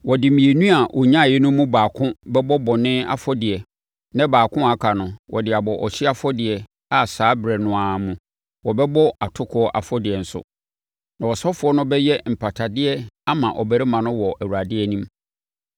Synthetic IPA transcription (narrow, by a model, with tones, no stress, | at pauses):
wɔ˨dɪ˨mĩ˨e˨nũ˦a˨wʔɔ˨ɲã˦˨jɛ˦nʊ̃˦mũ˦baː˨kʰʊ̃˦bɛ˦bɔ˦bɔ˨nɪ̃˦a̰˨fɔ˦dɪ˨ɛ˨ | nã˦baː˨kʰʊ̃˦a˨kʰa˨nʊ̃˨wʔɔ̰˨dɪ˨a˨bɔ˨ʔɔ˨ɕᶣɪ˦a˦fɔ˦dɪ˨ɛ˨ | a˨saː˨˦bɾɛ˨nʊ̃˨a˨mũ˨ | wɔ˨bɛ˦bɔ˦a˨tʰʊ˦kʰɔ˦ʔa̰˨fɔ˦dɪ˨ɛ˨n̩˨sʊ̰˨ | nã˨wɔ˨sɔ˦fʊ˨˦ɔ˦nʊ̃˦bɛ˦jɛ˦m̩˨pʰa˨tʰa˨dɪ˦ɛ˦a˦mã˨ʔɔ˨bæ˦ɾe˦mã˨nʊ̃˦wɔ˨ʔæ˨wu˨ɾa˨dɪ˦ɛ˨nĩ˦m